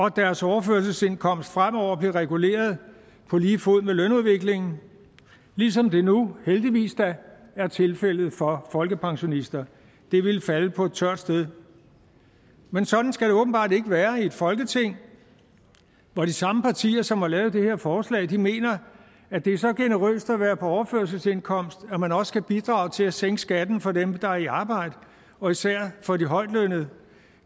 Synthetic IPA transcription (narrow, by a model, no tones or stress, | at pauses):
ɒ̽d̥æɐsɒʊɐføːɐs̬əse̝n̰kʰɒ̽m̰əsd̥fʁam̰ɒʊ̰ɐb̥liʁɛɡ̥ule̝̰ːɐð̞̩ˠ | pʰɒ̽liːfoð̰ˠmelønuð̞ˠʋe̝ɡ̥le̝ŋn̩ | lis̬ɒ̽md̥e̝nuheld̥iʋḭːsd̥ææɐt͡sʰe̝lfel̰ð̞̩ˠfɒ̽fɒ̽lɡ̥əpʰɑ̈ŋɕo̝nisd̥ɐ | d̥e̝ʋe̝lfæləpʰɒ̽e̝d̥̚t͡sʰɶɐ̰d̥sd̥eð̞ˠ | mensɒ̽d̥n̩sɡ̥æɾ̥e̝ɔ̽ːb̥n̩b̥ɑ̈ːd̥e̝ɡ̥əʋæːɐie̝d̥fɒ̽lɡ̥ət͡sʰe̝ŋ̰ | ʋɒd̥isɑ̈məpʰɑ̈t͡sʰḭːɐsɒ̽mhɑ̈lɛːʊð̞̩ˠd̥e̝he̝ɐ̰fɒːslɛ̰ːɪd̥ime̝̰ːnɐ | æd̥e̝æɐsɒ̽ɡ̥e̝nəʁø̰ːsd̥æʋæːɐpʰɒ̽ɒʊɐføːɐsəse̝nkʰɒ̽m̰sd̥æmænɒ̽sə̥skʰæb̥id̥ʁɑ̈ʊt͡sʰe̝læseŋ̰̥əsɡ̥æd̥n̩fɒ̽demd̥ɑ̈æɐiɑ̈ːb̥ɑ̈ɪ̰d̥ə | ɒ̽isæɐ̰fɒ̽diɦɒ̽ɪ̰d̥lønəð̩ˠ